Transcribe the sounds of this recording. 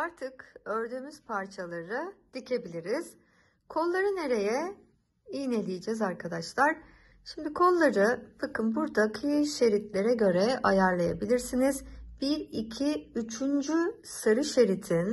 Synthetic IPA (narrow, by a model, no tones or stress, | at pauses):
aɾt̪ʰɯkø̞ɾd̪yːmyz̥pʰaɾt͡ʃʰalˠaɾɾɯd̪̥icʰe̞bilʲiɾiz̥ | kʰo̞lˠlːˠaɾɯne̞ɾe̞jɛ | ijne̞lʲijd͡ʒɛzaɾkʰad̪aʃlˠaɾ̥ | ʃimd̪ikʰo̞nˠlːˠaɾɯbakɯnbuɾd̪akʰɯjɯʃe̞ɾit̪lʲe̞ɾɛɟø̞ɾɛajaɾlˠajabilʲiɾsinizb̥iicʰiyt͡ʃʰynd͡ʒy | sɯɾɯʃe̞ɾit̪ʰin